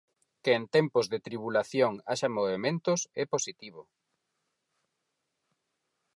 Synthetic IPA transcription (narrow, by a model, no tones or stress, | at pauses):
keːnt̪ɛmpʊzðet̪ɾiβulaθjoŋaʃamoβemẽnt̪ʊsɛposit̪iβ̞ʊ